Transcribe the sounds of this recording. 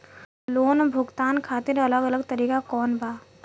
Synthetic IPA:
loːnbʱʊɡt̪aːnkʰaːt̪ɪɾɐləɡələɡt̪ɐɾiːkakɔːnbʱaː

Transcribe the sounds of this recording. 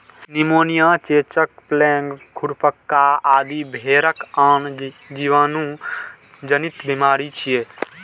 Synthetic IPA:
nimoːnijat͡ʃet͡ʃək̚plɛŋɡkʰuɾpəkːaaːd̪ibʱeːɾəkand͡ʒiʋaːnũ | d͡ʒənit̪bimaːɾit͡ʃʰijeː

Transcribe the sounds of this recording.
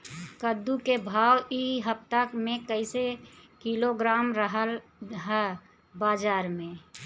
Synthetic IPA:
kəd̪ukebʱaːwiɦəp̚t̪akmẽkəɪsekiloɡɾaːmɾəɦəlɦɛ | baːd͡ʒaːɾmẽ

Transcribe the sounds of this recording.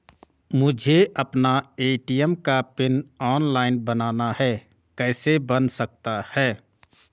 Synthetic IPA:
mʊd͡ʒʱeʔəpnaeːʈijəmkapɪnɔːnlaːɪnbənaːnahɛ | kɛːsebənsək̚t̪ahɛː

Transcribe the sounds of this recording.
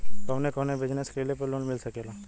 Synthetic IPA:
k̪əʋnekəʋnebʱɪd͡ʒneskelepəɾloːnmɪlsəkela

